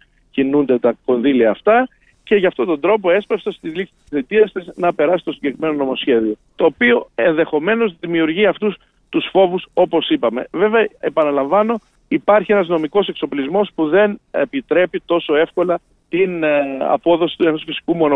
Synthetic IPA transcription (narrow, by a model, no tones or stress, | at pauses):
cinund̪et̪ɐko̞nðiliɐːft̪ɐ | ce̞ʝɐːft̪ot̪o̞nd̪ɾo̞p̬o̞e̞spɐfsɐst̪izlisi̥t̪isθit̪iɐst̪iznɐpe̞ɾɐsi̥t̪osiɲɟekɾime̞nono̞mo̞sçe̞ðio̞t̪o̞ːpio̞e̞nðe̞xo̞me̞no̞zðimiuɾʝiɐft̪us | t̪usfo̞vuso̞po̞sipɐme̞̰ve̞veɐepɐnɐlɐɱvɐno̞ | ipɐɾçie̞nɐzno̞miko̞se̞kso̞plizmo̞spuðe̞nḛpit̪ɾe̞pit̪o̞so̞e̞fko̞lɐ | t̪inɐ̰po̞ðo̞si̥t̪uenosfisi̥kumo̞no